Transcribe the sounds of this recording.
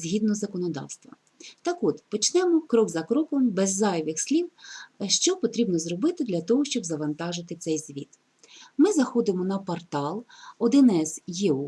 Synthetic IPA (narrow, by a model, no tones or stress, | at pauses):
zʲɦʲid̪nɔzɐkɔnɔd̪ɑ̰wst̪ʋɐ̰ | t̪ɑkɔd̪pɔt͡ʃnɛmɔkɾɔɡzɐkɾɔkɔmbɛzːɑjʋʲɪxsʲlʲiwʃt͡ʃɔpɔt̪ɾʲibnɔzɾɔbɪt̪ɪd̪lʲɐt̪ɔɦɔʃt͡ʃɔbzɐʋɐnt̪ɑʒɪt̪ɪt̪sɛjzʲʋʲit̪ | mɪzɐxɔd̪ɪmɔnɐpɔrt̪ɑlˠɔd̪ɪnɛzjeu